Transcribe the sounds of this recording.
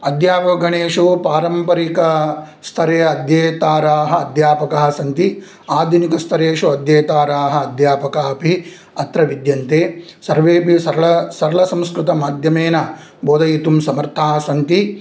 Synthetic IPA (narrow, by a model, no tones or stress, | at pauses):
ɐd̪jaːʋɐɡɐɳeːʂupaːɾɐmpɐɾikɐst̪ʰɐɾeːɐd̪jeːt̪aːɾaːɦɐ̆ːd̪jaːpɐkaːɦɐsɐnt̪i | aːd̪ʱinikɐst̪ʰɐɾeːʂuɐd̪jeːt̪aːɾaːɦɐ̆ːd̪jaːpɐkaːpi | ɐt̪ɾɐʋid̪jɐnt̪eːsɐɾʋeːpisɐɾɐlɐsɐɾɐɭɐsɐ̃mskɾɪt̪ɐmaːd̪ʱjɐmeːnɐ | boːd̪ɐjit̪umsɐmɐɾt̪ʰaːɦɐsɐnt̪i